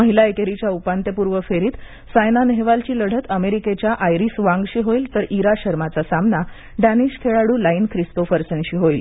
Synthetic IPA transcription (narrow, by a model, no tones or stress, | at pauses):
əɦilaekeɾit͡ɕjaupant̪jəpuɾʋəfeɾiːt̪ | sajnaneɦeʋalt͡ɕiːləɽ̤ət̪əmeɾiket͡ɕjaʔajɾisʋãŋɡɕiːɦoiːlt̪əɾʔiɾaɕəɾmat͡sasamna | ɖæniɕkʰeɭaɽuːlainkʰɾist̪ofəɾsənɕiːɦoil